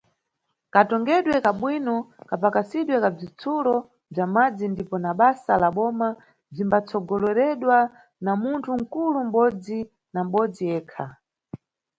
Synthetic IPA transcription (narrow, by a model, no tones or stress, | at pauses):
katɔŋɡɛɗwɛkaɓwinɔkapakasiɗwɛkab͡ʐit͡sʰulɔ | b͡ʐamad͡zindipɔnaɓasalaɓɔma | b͡ʐimbat͡sɔɡɔlɔɾɛɗwa | namuntʰuŋ̩kulum̩ɓɔd͡zi | nam̩ɓɔd͡zijɛːkʰa